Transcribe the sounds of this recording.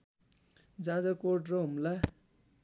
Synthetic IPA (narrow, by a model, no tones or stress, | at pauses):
d͡zãd͡zʌrkoʈrʌɦumla